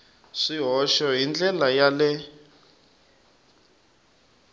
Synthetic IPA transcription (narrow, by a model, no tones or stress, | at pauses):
ʂiɦɔʃɔɦind͡ɮɛlajalɛ